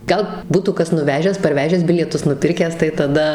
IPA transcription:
ɡɐlˠ ˈbuːtuː ˈkɐs nʊˈʋʲæːʒʲæːs pɐrʲˈʋʲæːʒʲæːs ˈbʲɪlʲiɛtʊs nʊˈpʲɪrʲkʲæːs tɐɪ tɐˈdɐ

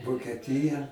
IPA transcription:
ʋoːkʲɛˈtʲɪjɛ

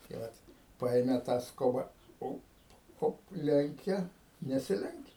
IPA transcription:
tɐɪ ˈʋɐt ˈpɐeːmʲɛ tɑː ˈskoːbɐ ˈoːp ˈoːp ˈlʲɛŋʲkʲɛ nʲɛsʲɪˈlʲɛŋʲkʲɛ

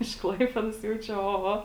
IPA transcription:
ɪʃ ˈklˠɐɪpʲeːdoːs ˈjɛʊ ˈt͡ʃʲɛ oː ˈoː

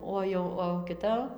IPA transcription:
ˈoː jɛʊ oː kʲɪˈtɐ

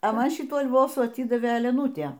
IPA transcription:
ɐ ˈmɐn ˈʃʲɪtuː ɐlˠˈʋoːsuː ɐˈtʲiːdɐʋʲeː ɛlʲɛˈnuːtʲeː

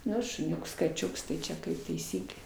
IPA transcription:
ˈnʊ ʃʊˈnʲʊks kɐˈt͡ʃʲʊks tɐɪ ˈt͡ʃʲɛ kɐɪp tɐɪˈsʲiːklʲeː

